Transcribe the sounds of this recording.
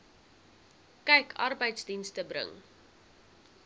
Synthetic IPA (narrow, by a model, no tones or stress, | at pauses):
kɛjkʰɐ̰rbəjtsdinstəbrə̰ŋ